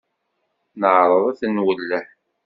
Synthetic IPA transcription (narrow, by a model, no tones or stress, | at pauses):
nəʕɾˤəðˤæθənwəlːəħ